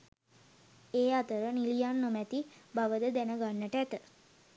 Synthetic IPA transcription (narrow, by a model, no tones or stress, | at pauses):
eːat̪əɾənilijanːomæt̪ibaʋəd̪əd̪ænəɡanːəʈəæt̪ə